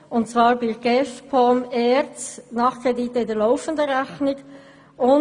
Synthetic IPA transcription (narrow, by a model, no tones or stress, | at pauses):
ʊnt͡svɑːɾbɪɡ̥ɛfpʰɔmɛːɾt͡snɑːχkɾedit̪əɪdɛəlɔʊfən̩dəɾæçnɪɡ | ʊn